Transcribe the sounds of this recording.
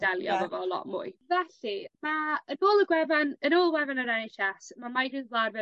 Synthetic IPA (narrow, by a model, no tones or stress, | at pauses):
d̥ɛlˠjɔ̰vɔvɔlˠɔ̰ʔmʊ̰ːɨvɛɬimaənoːlˠəɡwɛvanənoːlˠwɛvanəɾɛnɪɬɛsmamajɡrɨðvlˠarvɛ